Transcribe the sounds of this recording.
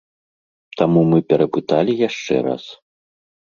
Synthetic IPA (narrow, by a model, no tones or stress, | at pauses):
t̪amumɨpʲɛɾɐpɨt̪alʲijaʂt͡ʂɛ̰ɾa̰s